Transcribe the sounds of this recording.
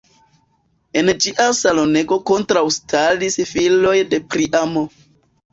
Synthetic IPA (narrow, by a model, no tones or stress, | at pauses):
e̞nd͡ʒiʔasalo̞ne̞ɡo̞ko̞ntɾawstʰalisfilo̞jde̞pɾiʔamo